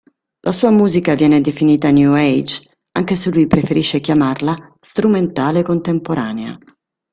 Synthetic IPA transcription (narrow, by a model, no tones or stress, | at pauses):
lʔasuːamuːzikavjɛːned̪efiniːt̪anjuɛjd͡ʒ | aŋk̟eselujpɾefeɾiʃːekjamarlast̪ɾument̪aːlekont̪empoɾaːnea̰